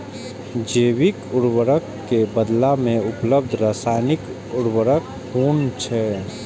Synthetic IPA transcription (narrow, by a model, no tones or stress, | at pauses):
d͡ʒeːwikʊɾwəɾəkːebəd̪lamẽʊpləb̚d̪ʱɾaːsaɪnɪk | ʊɽwəɾək | huːnt͡ʃʰɛ